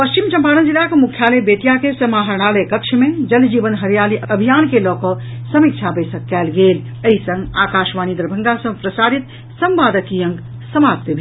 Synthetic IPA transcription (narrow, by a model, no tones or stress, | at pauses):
pəst͡ʃimt͡ʃɐmpaːnənd͡ʒilakemukʰːjaləbet̪jakesəmaɦəɾɽ̃alejkəkt͡ʃʰimẽd͡ʒəld͡ʒiːʋənɦəɾjaːliʔəbʱijaːnkelɔːkɔsəmik̚t͡ʃʰabəɪsəkːɛːlɡel | əɦisə̃ŋɡaːkaːʃmaːnid̪əɾbʱəŋɡasə̃pɾəsaɾit̪ | səmbaːd̪əkijə̃ŋɡ | səmap̚t̪ebʱi